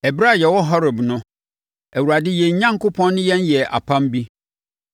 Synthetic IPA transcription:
ɛ˨bɾa˦˨jɛ˨wɔ˦ɦɔ˦ɾɔ˨bnʊ̃˦ | æ˨wu˨ɾa˨dɪ˦jɛ̃˨ɲ˨ɲã˦ŋkʊ˦pʰɔ̃˦nːʊ̃˦jɛ˦njɛ˨ʔa̰˨pʰã˦mbi˦

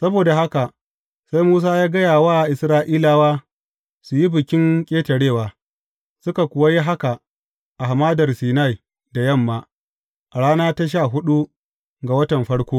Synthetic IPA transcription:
sɐ˦boː˨da˨ɦa˦ka˨ | sa˦jmuː˦s̬aː˦jaː˦ɡɐ˦jaː˨waː˦˨ʔɪ˨sɾaː˦ʔiː˦laː˨waː˦ | sʊ˨ji˦bɪ˨kʲɪ˦ŋkʲʼeː˦tɐ˨ɽeː˦˨waː˨ | sʊ˦ka˨kʷʊ˨wa˦ji˦ɦa˦ka˨ | ʔa˨ɦmaː˦dɐ˨rsiː˨na˦˨j | da˨jɐ˦˨mːaː˨ | ʔa˨ɽaː˦naː˦ta˦ʃ̬aː˦˨ɦʊ˦ɗu˦ | ɡa˨wɐ˦tɐ˨mɸɐ˦ɽkʷoː˦

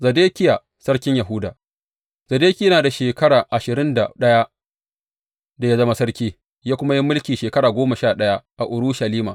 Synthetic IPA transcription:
zɐ˨deː˦kʲɪ˦ja˨ | sɐ˦rkʲɪ˦ɲjɐ˨ɦʊ˦daː˨ | zɐ˨deː˦kʲi˦ɐ˦naː˨da˨ʃeː˨kɐ˦ɽaː˨ʔa˨ʃɪ˨ɾɪ˦nda̰˨ɗɐ˦ja˦ʔ | da˨ja˦zɐ˦ma˦sɐ˦ɽkʲiː˦ | jaː˦kʷʊ˦ma˦jɪ˦mːʊ˦lkʲiː˨ʃeː˨kɐ˦ɽaː˨ɡʷoː˦ma˨ʃaː˦˨ɗɐ˦ja˦ʔa˨ʔʊ˨ɾu˦ʃɐ˨liː˦ma̰ː˨

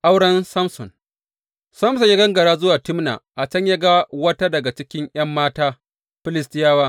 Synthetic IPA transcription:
ʔa˦wɽɐ˦nsɐ˦msɔ̰˨n | sɐ˦msɔ˨ɲjaː˦ɡɐ˦ŋɡɐ˨ɽaː˦zʊ˦waː˨tɪ˦mna̰˨ʔa˨t͡ʃɐ˦ɲja˦ɡa˦wɐ˦ta˦dɐ˨ɡa˨t͡ʃɪ˦kʲɪ˦ŋj̰ɐ˦mːaː˦taː˦ | ɸɪ˦lɪ˦stɪ˦jaː˦waː˦

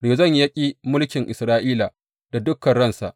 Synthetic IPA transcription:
ɽeː˨zɐ˦˨ɲ˦jɐ˦kʲʼi˦mʊ˦lkʲɪ˨ŋʔɪ˨sɾaː˦ʔiː˦la˨ | d̥a˨dʊ˦kːɐ˨nɽɐ˦nsa̰˨ʔ

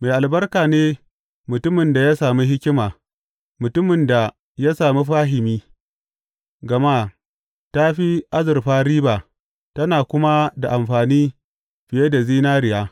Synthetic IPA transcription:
ma˨jʔa˨lbɐ˦rkaː˨neː˦ | mʊ˨tʊ˦mɪ˨nda˨ja˦saː˨mi˦ɦɪ˦kʲɪ˦maː˨ | mʊ˨tʊ˦mɪ˨nda˨ | ja˦saː˨mi˦ɸaː˦ɦɪ˨miː˦ | ɡɐ˨ma˦ | ta˦ɸi˦ʔa˦zɪ˨rɸaː˦ɾiː˦ba˨ | tɐ˦naː˨kʷʊ˦ma˦da˨ʔa˨mɸaː˨niː˦ | ɸɪ˨je˦da˨ziː˦naː˦ɾɪ˨jaː˦

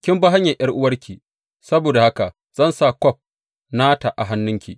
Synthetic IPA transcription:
kʲɪ˦mba˦ɦa˦ɲja˨jɐ˦rʔʊ˦wɐ˦rkʲʰiː˨ | sɐ˦boː˨da˨ha˦ka˨ | z̥ɐ˦nsa˨kʷɔ˦˨p̚ | naː˦ta˨ʔa˨ɦa˦nːʊ˦ŋkʲḭ˨

